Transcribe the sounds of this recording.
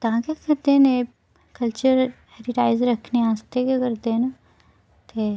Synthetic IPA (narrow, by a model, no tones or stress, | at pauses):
t̪ɐɦãkjakɐɾt̪ene | kɐlt͡ʃəɾɦeːɾɪʈaːɪzɾɐkʰneaːst̪ekjakɐɾt̪ena | t̪e